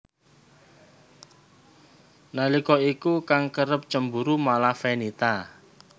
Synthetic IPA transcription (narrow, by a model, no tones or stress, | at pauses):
nalikɔikukaŋkəɾəp̚t͡ʃəmbuɾumalafenit̪a